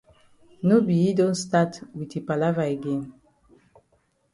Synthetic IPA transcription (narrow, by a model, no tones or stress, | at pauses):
nobiidõnstatwitepalavaeɡɛ̃n